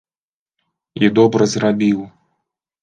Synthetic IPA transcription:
id̪ɔbɾɐzɾabʲiw

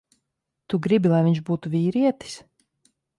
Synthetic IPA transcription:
t̪uɡɾibilˠajvʲiɲʒbuːt̪uvʲiːɾiɛt̪i̥s

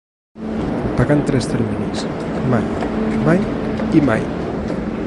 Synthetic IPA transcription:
paɣant̪ɾɛst̪eɾminismajmajima̰j

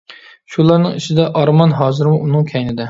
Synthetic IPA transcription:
ʃulˠɑɾnɪŋɪt͡ʃʰɪd̪ɛʔɑɾmɑnɦɑːzɪɾmuʔːnɨŋkʲʰɛjnɪd̪ɪ

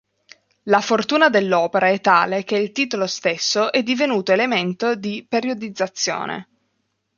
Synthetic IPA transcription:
lafort̪uːnad̪elːɔːpeɾaɛt̪ːa̰ːlek̟eilt̪iːt̪olost̪esːoʔɛd̪ːivenuːt̪oelement̪od̪ipeɾjod̪id̪zːat̪sːjo̰ːnʔḛ

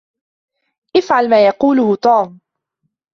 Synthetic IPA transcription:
ʔɪfʕalmaːjɑquːlʊhʊt̪ˤuːm

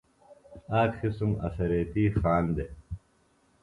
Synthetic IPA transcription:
aːkxisumɐ̰sɐɾeːt̪iːxaːnd̪e

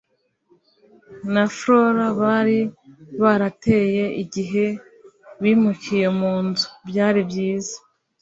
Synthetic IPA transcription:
nafɾo̞ɾaβaɾiβaɾate̞je̞ʔiɟiɦe̞ | βiːmucije̞muːnzu̥bjaːɾibjiːzḁ

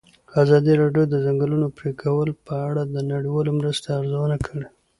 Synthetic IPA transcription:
azɑd̪iɾɑɖjod̪əzaŋɡəlunopɾekʰawəlpəaɽad̪ənaɽiwɑlomɾəst̪aaɾzawənakʰəɽe

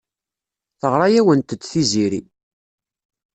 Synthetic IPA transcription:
θəʁɾˤɑjæwənt̪ət͡sːθiziɾḭ

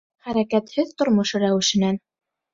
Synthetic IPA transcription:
χæɾækæt̪hɘðt̪ŏɾmŏʃɤɾæwɘ̆ʃɘ̆næn

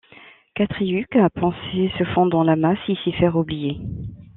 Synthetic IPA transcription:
kat̪χiykapɑ̃sesəfɔ̃d̪ʁɑ̃lamãsisifɛʁublije

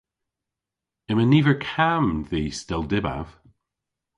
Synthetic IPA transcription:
ɪməniːvəɹkʰamðiːstɛlˠdɪba̰v̥

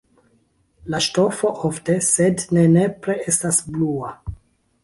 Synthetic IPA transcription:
laʃto̞fo̞ʔofte̞se̞dne̞ne̞pɾee̞stasblua

